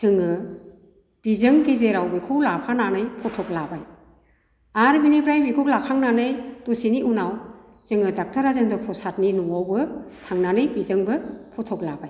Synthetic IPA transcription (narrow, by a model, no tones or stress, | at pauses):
tʰɯŋɯ | b̥izɯŋɡezeɾawbekʰɯwlapʰananɯjpʰɔtʰɔklabaj | aɾbinibɾajbikʰɯwlakʰaŋnanɯjtusiniʔunaw | zɯŋɯdak̚tʰaɾazendɔpʰɔsat̚ninɔawbɯtʰaŋnanɯjbizɯŋbɯpʰɔtʰɔklabaj